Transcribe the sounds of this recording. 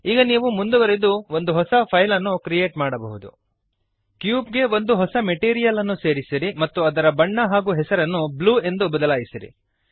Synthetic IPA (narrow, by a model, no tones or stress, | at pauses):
iːɡɐniːʋumund̪uʋɐɾed̪uʋo̞nd̪uɦɔsɐpʰɐjlɐnːukɾijeːʈmaːɽɐbɐɦud̪ṵ | kjuːp̚ɡe̞ʋo̞nd̪uɦɔsɐmeʈiːɾijɐlɐnːuse̞ːɾisiɾimɐt̪ːuɐd̪ɐɾɐbɐɳːɐɦaːɡuːɦɛsɐɾɐnːubluːe̞nd̪ubɐd̪ɐlaːjisiɾḭ